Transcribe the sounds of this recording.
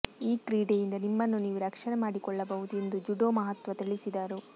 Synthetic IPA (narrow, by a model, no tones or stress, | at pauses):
iːkɾiːɖejind̪ɐnimːɐnːuniːʋuɾɐkʂɐnɐmaːɽikɔɭːɐbɐɦud̪ue̞nd̪ud͡ʒuɖoːmɐɦɐt̪ʋɐt̪iɭisid̪aːɾu